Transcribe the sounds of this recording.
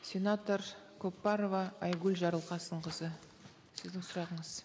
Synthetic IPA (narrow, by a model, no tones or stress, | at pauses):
sʲe̞nat̪o̞ɾkʰopːɑɾovɑːjɡʲʉlʲʒɑɾəlˠqɑsəd̪əɴqʰəzə | sɪzd̪ɪŋsʊɾɑʁəɴəz